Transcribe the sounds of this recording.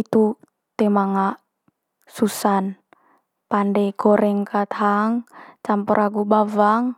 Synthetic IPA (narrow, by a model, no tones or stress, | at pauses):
it̪u | t̪ɛmaŋaʔ | susan | pandɛɡ̥ɔɾɛŋkat̪haŋt͡ʃampɔɾʔaɡubavaŋ